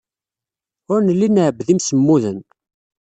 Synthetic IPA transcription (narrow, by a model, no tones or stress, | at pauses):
ʊɾnəlːinəʕbðimsəmːuðən